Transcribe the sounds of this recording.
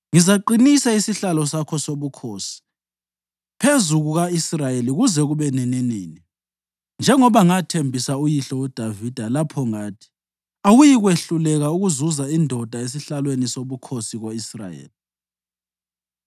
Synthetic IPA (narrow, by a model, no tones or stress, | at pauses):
ŋizaǃinisaisiɬalɔsakʰɔsoβukʰoːsi̥ | pʰezuɣuɣaisrajeliɣuzɛɣuβɛnɛnɛneːni | nd͡ʒʱɛŋɔβaŋatʰembʱisaujiɬɔud̥ʱavid̥ʱalapʰɔŋaːtʰi̥ | awujiɣweɬulɛɣauɣuzuzaindʱɔd̥ʱaes̬iɬalwenisoβukʰosiɣoisra̰jḛːli